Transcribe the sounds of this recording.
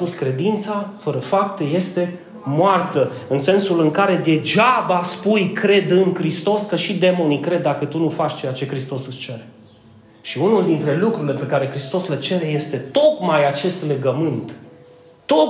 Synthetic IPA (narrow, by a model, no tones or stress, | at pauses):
puskɾe̞d̪int̪safəɾəfap̚t̪eje̞st̪e̞ | moart̪əɨnse̞nsulɨŋkaɾe̞d̪e̞d͡ʒabaspujkɾe̞d̪ɨŋkɾist̪o̞skəʃid̪e̞mo̞nikɾe̞d̪ːakət̪unufat͡ʃʲt͡ʃe̞jat͡ʃe̞kɾist̪o̞sɨst͡ʃe̞ɾe | ʃiunuld̪int̪ɾe̞lukɾuɾile̞pe̞kaɾe̞kɾist̪o̞slet͡ʃe̞ɾeje̞st̪e̞t̪o̞kmajat͡ʃe̞st̪le̞ɡəmɨnt̪ː | o